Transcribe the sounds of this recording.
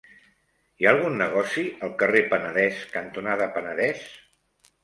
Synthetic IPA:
iaːlˠɣ̞unːəɣ̞ɔsiəlˠkərepənəðɛskənt̪unaðəpənəðɛs

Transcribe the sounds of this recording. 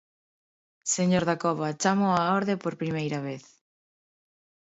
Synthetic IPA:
seɲoɾðakɔβat͡ʃamoaoɾðepoɾpɾimejɾaβeθ

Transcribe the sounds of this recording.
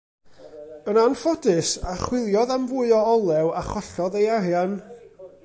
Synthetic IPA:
ənanfɔdɨsaχwɪlˠjɔðamvʊɨɔɔlˠɛwaχɔɬɔðejaɾjan

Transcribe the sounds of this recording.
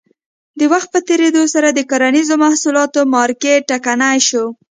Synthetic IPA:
d̪əwaxt̪̚pət̪eɾed̪osaɾad̪əkaɾanizomahsulɑt̪omɑɾkeakanajʃo

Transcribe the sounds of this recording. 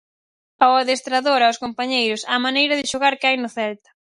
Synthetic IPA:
awaðest̪ɾaðoɾaʊskompaɲejɾʊsamanejɾɐðɪʃoɣaɾkajnʊθɛlt̪ḁ

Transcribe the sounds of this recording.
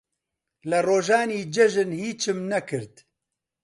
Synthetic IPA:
lɐroːʒaːniːd͡ʒɛʒɨnhiːt͡ʃʰɨmnɐkʰɨɾt̪

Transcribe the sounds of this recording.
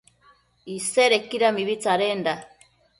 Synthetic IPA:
iseɾekiɾamiβit͡saɾeːnda

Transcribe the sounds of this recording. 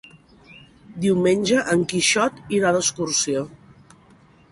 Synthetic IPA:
d̪iwmenʲʒəʔəŋkiʃɔt̪iɾaðəskuɾsio

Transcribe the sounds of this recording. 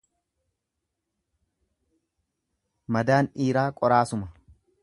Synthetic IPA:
mɐd̪aːnʔiːɾaːkʼɔɾaːsʊmɐ

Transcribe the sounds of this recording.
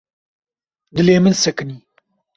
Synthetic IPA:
d̪ɨleːmɨnsɛkɨniː

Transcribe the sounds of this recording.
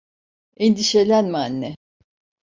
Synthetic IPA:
end̪iʃe̞lʲænmaːnːɛ

